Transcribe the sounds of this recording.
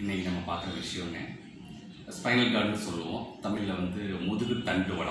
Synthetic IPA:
ɪnːekːinɐmːɐpaːɾt̪ɯɾɐʋɪʂɐjɔ̃nːḛ | spɐɪnɐlɡaːɾnɯsɔlːɯʋõ̰ːt̪ɐmːɪjɪlɐʋɐnd̪ɯmʊðɯɣɯt̪ɐɳɖɯʋɐɽɐ̰

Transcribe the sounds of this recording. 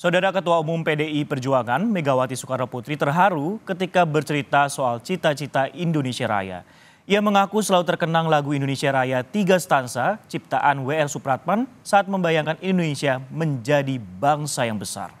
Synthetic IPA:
saudaɾakət̪uaumʊmpedeipərd͡ʒuaŋanmeɡawat̪isu̥kaɾaput̪ɾit̪ərɦaɾukət̪ikabərt͡ʃəɾit̪asoalt͡ʃit̪at͡ʃit̪aʔindonesiaɾa̰ja̰ | iaməŋakusəlalut̪ərkənaŋlaɡuindonesiaɾajat̪iɡast̪ansat͡ʃip̚t̪aʔanweɛrsupɾat̪̚man | saʔːt̪̚məmbajaŋkanindondonesiaməɲd͡ʒadibaŋsajaŋbəsa̰r

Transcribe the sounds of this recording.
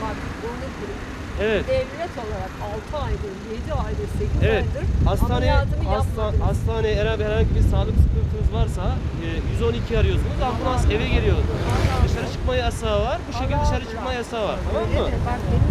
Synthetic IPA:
aonesiɾi | evɛt̪d̪ɛvlʲɛt̪ʰo̞lˠaɾakalˠt̪ʰɯajd̪ɯɾ | ed̪iajd̪ɯɾsekʲevɛtj̪d̪ɯɾ̥hast̪ʰaːnɛjt̪ɯmst̪aast̪ʰaːnɛɛɾhabhɛɾhaɲɟibiɾsaːlˠɯksɯ̥kʰɯnt̪ʰɯnɯzvaɾsa | ɛːjyzo̞nicʰiaɾɯjo̞sunuzalˠt̪ʰɯnase̞vɛɟelʲijo̞d̪ud̪ɯʃaɾat͡ʃʰɯ̥kmajasaːvaɾbuʃecʰilʲd̪ɯʃʃaɾaɯ̥kkmajasaːvaɾt̪ʰamamːɯbaɾki

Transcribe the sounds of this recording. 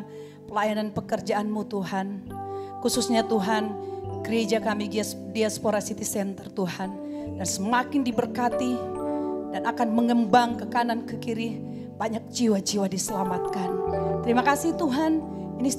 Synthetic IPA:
pəlajananpəkərd͡ʒaʔːnmut̪uɦankususɲat̪uɦanɡ̥əɾed͡ʒakamidiaspoɾasit̪isɛnt̪ərt̪uhan | dansəmakɪndibərkat̪i | danakanməŋəmbaŋkəkanankəkiɾi | b̥aɲak̚d͡ʒiwad͡ʒiwadisəlamat̪̚kant̪əɾimakasɪht̪uɦan | inis

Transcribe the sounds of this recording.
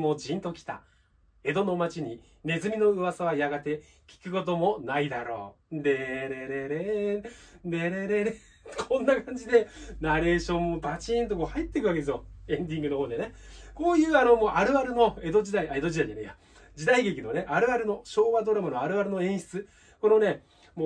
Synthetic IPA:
mo̞ːd͡ʑĩnt̪o̞kʲi̥t̪a̰ | e̞d̪o̞no̞mat͡ɕiɲ̟i | ne̞zɨmʲino̞ɯ̟βasaβajaɡat̪e̞ | kʲi̥kɯ̟ko̞t̪o̞mo̞naid̪aɾo̞̰ːd̪eɾeɾeɾe | d̪e̞ɾe̞ɾeɾe | kʰõ̞nːakãɲ̟d͡ʑid̪e̞naɾe̞ːɕõ̞mːopat͡ɕĩnt̪̬okohait̪ːe̞kɯβakeesɨjoẽ̞ɲd̪ʲĩŋɡɯno̞ɦoːd̪enekoːjɯ̟ːano̞moʔaɾɯ̟aɾɯ̟no̞e̞d̪o̞d͡ʑid̪aiʔae̞d̪o̞ʑid̪aidaneja | d͡ʑid̪aiɡe̞kʲinone̞ʔaɾɯ̟aɾɯno̞ɕo̞ːβad̪o̞ɾamɯnoaɾɯ̟aɾɯ̟no̞ẽ̞ɰ̃ɕi̥t͡sɨ | ko̞no̞ne̞ | moː

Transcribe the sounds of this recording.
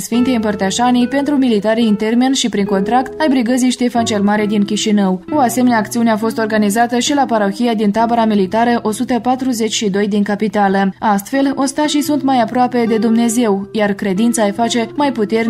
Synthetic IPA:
sfint̪ejɨmpərt̪əʃanijpe̞nt̪ɾumilit̪aɾiɨnt̪e̞rminʃipɾiŋko̞nt̪ɾakt̪ajbɾiɡəziʃt̪efant͡ʃe̞lmaɾed̪inkʲiʃinəwo̞ase̞me̞neaːkt̪siuneafo̞st̪o̞rɡanizat̪əʃilapaɾo̞çʲijad̪int̪abəɾamilit̪aɾəʔo̞sut̪əpat̪ɾuze̞t͡ʃʲʃid̪o̞jd̪iŋkapit̪aləast̪fe̞lonst̪aʃisunt̪majapɾoape̞d̪e̞d̪umne̞ze̞wjarkɾe̞d̪int̪saefat͡ʃe̞majput̪e̞rn

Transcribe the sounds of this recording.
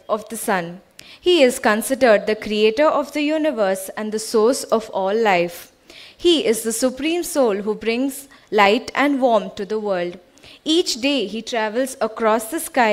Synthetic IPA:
ɔʋd̪əsʌ̃n | hiːɪzkə̃nsɪɖəɾɖ̚d̪əkɾieːʈəɾʔɔʋd̪əjuːnɪʋəɾsæ̃ɳd̪əsoːsɔʋɔːlːaɪf | hiːʔɪzd̪əsʊpɾĩːmsoːlɦuːbɾɪ̃ŋz | laɪʈʰɛ̃ɳɖʋɔːɾmʈud̪əʋəːɾlɖ | iːt͡ʃɖeːɦiːʈɾæʋəlzəkɾɔːsd̪əskaɪ

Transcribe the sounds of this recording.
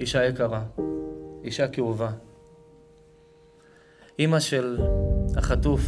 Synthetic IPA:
iʃajekaʁa | iʃakiuva | ʔimaʃelhaχatuf

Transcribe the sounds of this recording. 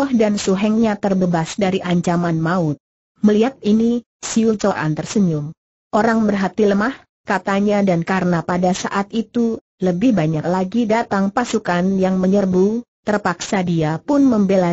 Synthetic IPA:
ɔhdansuɦɛŋɲat̪ərbəbasdaɾiʔaɲt͡ʃamanmaʊt̪̚ | məliɦat̪̚ini | siut͡ʃoʔa̰nt̪ərsəɲʊm | ʔoɾaŋbərɦat̪iləmah | kat̪aɲadankaɾənapadasa̰ʔat̪̚it̪u | ləbɪhbaɲaklaɡidat̪aŋpasukanjaŋməɲərbut̪ərpaksadiapʊnməmbela

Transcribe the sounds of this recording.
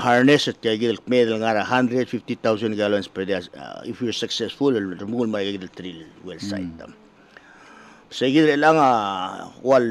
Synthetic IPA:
haɾneset̚kajɡid̪alkmed̪alŋaɾaɦand̪ɾedfiftit̪aws̬anɡealoensped̪ia̰ifwiɾsaksesfulɾmulmaɾaɡeɡid̪alt̪ɾilwelsa̰jta̰ | seɡid̪alelaŋa | wal

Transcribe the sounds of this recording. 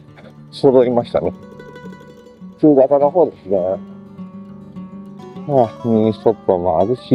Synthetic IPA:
sod̪oɾʲimaɕi̥t̪a̰ne | t͡sɨːɡ̪at̪anoɦoːd̪esɨne | amʲiist̪opːomoa̰zɯɕi

